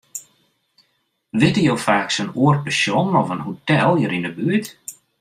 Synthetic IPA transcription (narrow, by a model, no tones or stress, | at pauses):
ʋɪtəjowfaːksənuərt̚pəsjonɔfənhotɛlˠjəɾindəbyət